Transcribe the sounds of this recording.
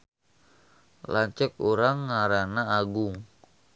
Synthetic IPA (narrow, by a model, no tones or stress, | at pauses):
laɲt͡ʃəkuɾaŋːaɾanaːɡʊŋ